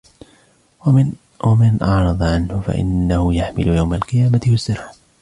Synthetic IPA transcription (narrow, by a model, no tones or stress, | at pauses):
wamanʔɑʕɾˤɑd̪ˤʕanhʊfa̰ʔɪ̰nːahʊjaħmɪlʊjawmalqɨjaːmat̪ɪwɪsːɪɾʕ